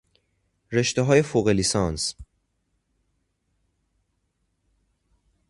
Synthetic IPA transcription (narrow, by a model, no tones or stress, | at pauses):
ɾe̞ʃt̪eɦɒːje̞foːɣelisɒːns